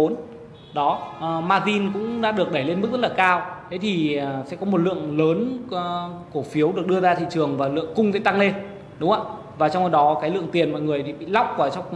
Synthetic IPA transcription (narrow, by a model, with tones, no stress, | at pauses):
o˨˦n | ɗɔ˨˦˨maː˧zi˧nkʊ̰˧˥ŋ͡mɗa̰ː˧˥ɗɨ˨˩ək̚ɗə˧˩jle˧nmɨ˦˥k̚z̥ə˥tlaː˨˩kaː˧wt̪ʰe˨˦jt̪ʰi˨˩˨sɛ̰˧˥kɔ˨˦m˨˩t̚lɨ̰˧˨əŋləː˨˦n˨ | ku˧˩fi˨˦əwɗɨ˨˩ək̚ɗɨ˧əzaː˧t̪ʰḭ˧˨t͡ɕɨ˨˩əŋvaː˨˩lɨ̰˧˨əŋkʊ˧ŋ͡mt̪ʰe˧˩t̪a˧ŋle˧n | ɗʊ˨˦ŋ͡mʔa̰ː˧˨ | vaː˨˩t͡ɕɔ˧wŋ͡mxo˧˩ɗɔ˨˦kaː˨˦jlɨ̰˧˨əŋt̪i˨˩ənmɔ̰˧˨ŋɨ˨˩əjt̪ʰi˨˩ɓḭ˧˨la˦˥wk͡p̚kaː˧˩t͡ɕɔ˧wŋ͡m